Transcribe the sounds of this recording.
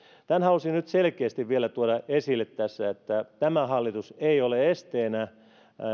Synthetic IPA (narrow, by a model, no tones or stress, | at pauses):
t̪ænhɑlusinyt̪selkeːst̪iʋʋielæt̪uodɑesilːˑet̪tæsːæet̪ːæt̪æmæhɑlːit̪useioleest̪eːnæ